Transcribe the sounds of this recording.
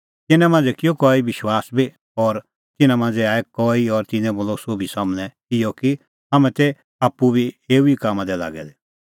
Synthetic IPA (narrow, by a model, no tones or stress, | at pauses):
t̪ɪnɛ̃mãːnd͡zɛkɪjokɔːiʋɪʃwaːsbi | ɔɾ | t̪ɪnãmãːnd͡zɛaːɛkɔiɔɾt̪ɪnɛ̃boːlɔsobʱisaːmnɛ̃ | ɪjɔki | ɦɐmɛ̃t̪e | aːpːubʱieːuikaːmãd̪ɛla̰ːɡɛ̰d̪ɛ